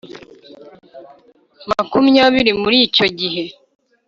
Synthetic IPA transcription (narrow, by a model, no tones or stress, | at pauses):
makumjaːβiɾimuɾiːco̞ɟiɦe̞